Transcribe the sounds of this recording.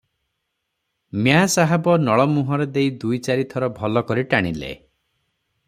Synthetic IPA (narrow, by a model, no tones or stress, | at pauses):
mjasaɦɛbɔnɔɭɔmuɦɔɾɔd̪ejd̪ujt͡ʃaɾit̪ʰɔɾɔbʱɔlɔkɔɾiʈaɽ̃ilḛ